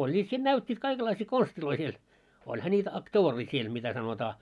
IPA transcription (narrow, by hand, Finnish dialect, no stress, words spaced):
olʲːiːt siːn næytʲːiːt kɑikelːɑisiː konstiloi siel olhɑ nʲiːtæ ɑktoːriː siel mitæ sɑnotɑː